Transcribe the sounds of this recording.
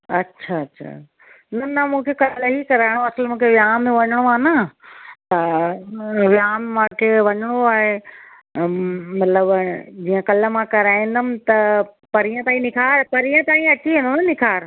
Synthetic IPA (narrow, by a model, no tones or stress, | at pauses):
ɐtːʃʰaɐtːɕʰa̰ː | nɐnɐmũːkʰekɐɾlɐɦikɐɾaːɪɽ̃oɐsəlmũːkʰeʋjaːmːẽʋɐɲəɽ̃oaːnət̪ɐ | ʋjaːmmãːkʰeʋɐɲəɽ̃oaːɦe | mɐt̪ləbd͡ʑiːə̃kɐləmãkɐɾaːĩn̆d̪əmɪ̆t̪ɐpɐɾijə̃t̪aːɦĩnɪkʰaːɾpɐɾijə̃t̪aːĩɐʈʰiẽnd̪onɪkʰaːɾ